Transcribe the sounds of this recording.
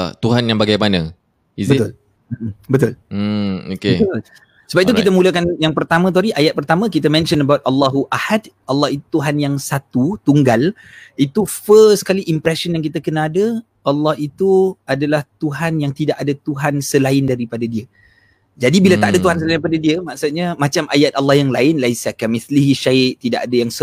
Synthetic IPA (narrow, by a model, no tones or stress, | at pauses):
t̪uɦanjaŋbaɡajmanã | izbət̪ʊl̩ | bət̪ʊl̩ | okeb̪ət̪l | səbap̚it̪ukit̪əmũləkanjaŋpərt̪amə̃t̪oɾiʔajat̪̚pərt̪amə̃kit̪əmɛ̃nʃənəbawt̪̚alːaɦuʔahadʔɑlːɑhit̪ut̪uɦanjaŋsat̪ut̪uŋɡal | it̪ufəskaliʔimpɾɛʃənjaŋk̬it̪akənãadə | alːɑhit̪uadalaht̪uɦanjaŋt̪idaʔadat̪uɦansəlaɪndaɾipadadiə | d͡ʒadibilat̪aʔadat̪uɦans̬əlaipadadiəmãʔksut̪̚ɲəmat͡ʃamʔajat̪̚alːɑhjaŋlaɪnlaisakamiθliɦiʃaɪʔt̪ida̰ʔadajaŋsə